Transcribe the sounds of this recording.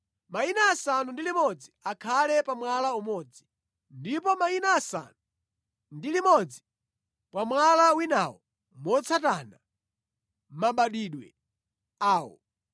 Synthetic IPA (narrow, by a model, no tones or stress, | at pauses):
mainaːsanundilimɔd͡ziakʰalɛpamwalaumɔd͡zi | ndipɔmainaːsa̰nu | ndilimɔd͡zi | pwamwalawinawɔ | mɔt͡sʰatana | maɓaɗiɗwɛ̰ | aːwɔ̰